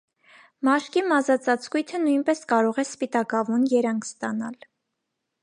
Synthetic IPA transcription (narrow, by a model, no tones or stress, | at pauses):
mɑʃkimɑzɑt͡sɑt͡skujt̪ʰənujnpɛskɑɾɔʁɛspit̪ɑkɑvunjɛɾɑŋkʰst̪ɑnɑ̰l